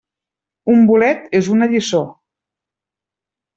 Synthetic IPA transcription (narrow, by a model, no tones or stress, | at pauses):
umbulɛt̪ezunəʎiso